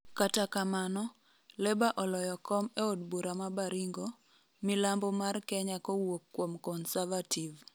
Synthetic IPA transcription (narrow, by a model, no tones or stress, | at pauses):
katakamanɔ | lɛbaʔɔlɔjɔkɔmeodbuɾamabaɾiŋɡo | milambɔmarkɛɲakowokːwomkɔnsavativ